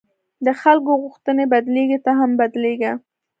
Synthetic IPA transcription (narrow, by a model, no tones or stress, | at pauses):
d̪əxalkoɣʊxt̪ənebad̪leɡet̪aɦambad̪leɡa